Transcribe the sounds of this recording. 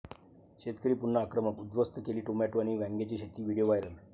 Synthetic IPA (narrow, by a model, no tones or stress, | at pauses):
ɕet̪kəɾiːpunːəːkɾəməkud̪ʋəst̪əkeliːʈomæʈuaɽ̃iʋæ̃ŋɡet͡ɕiɕet̪iːʋiɽijoʋajɾəl